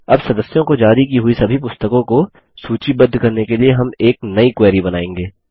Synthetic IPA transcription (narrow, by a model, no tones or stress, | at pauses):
ɐbsɐd̪əsjõkod͡ʒaːɾikiɦʊisɐbʱipʊst̪əkõko | suːt͡ʃibɐd̪ʱːkɐɾnekelieɦɐmeːknɐikwɛːɾibɐnaːẽːŋɡeː